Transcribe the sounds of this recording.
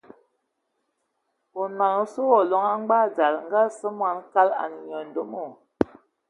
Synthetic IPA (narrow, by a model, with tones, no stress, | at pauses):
o˨na˨ŋo˦su˦wɔ˨lɔ˨ŋa˦ŋ͡mɡ͡ba˦˨d͡za˨lŋ˦ɡa˦sɨ˦mwa˨˦nka˦la̰˨ni˨ɲɔ˨n˨do˨˦mo˨